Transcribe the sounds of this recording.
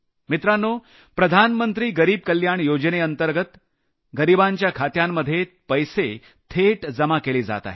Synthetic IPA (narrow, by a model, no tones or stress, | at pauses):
mit̪ɾanːo | pɾəd̪ʱanmənt̪ɾiːɡəɾiːb̚kəljaɳjod͡ʑəneənt̪əɾɡət̪ | ɡəɾibaɲt͡ɕjakʰat̪jamːəd̪ʱːje | pəjse | t̪ʰeʈd͡zəmakeliːd͡za̰t̪a̰ɦe